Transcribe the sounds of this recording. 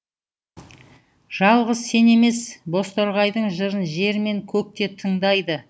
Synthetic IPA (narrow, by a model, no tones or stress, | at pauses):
ʒ̥ɑlˠʁəzse̞ne̞me̞sbo̞st̪oɾʁɑjd̪əɴʒəɾənʒe̞ɾme̞ŋkʲʰɵk̚t̪e̞t̪ʰəɴd̪ɑjd̪ə